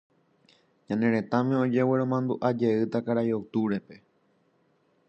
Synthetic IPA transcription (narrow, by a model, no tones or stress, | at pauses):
ɲãnẽ̞ɾẽ̞t̪ãmẽod͡ʒe̞weɾõ̞mãnd̪uʔad͡ʒe̞ɨt̪akaɾajot̪uɾe̞pe̞